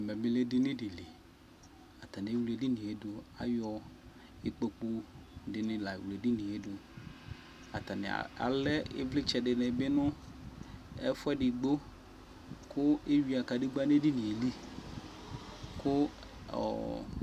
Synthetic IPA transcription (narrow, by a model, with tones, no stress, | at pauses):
me˨mĩ˦le˦dɪ˦nɪ̃˦ɖɪ˨le˨ | a˨t̪a˨ne˨˦wle˨di˦nĩ˨e˨do˨a̰˨jɔ˨˦ | e˦k͡po˦k͡po˦dɪ˨nɪ̃˦la˨wle˨dɪ˦nĩ˨e˦do˨ | a̰˨t̪a˨nɪ̰˨a̰˨lɛ˦ḛ˦vlɪ˦t͡ʃɛ˨ɖɪ˨nɛ̃˨be˦nɔ̃˦ | ɛ˦fɛ˦ɖɪ˨ɡ͡bo˦ | kʰʊ˦e˦wi˨a˨ka˨ɖi˦ɡ͡ba˦nẽ˦ɖi˦nĩ˨e˨li˦ | kʊ˦ | ɔ̰˨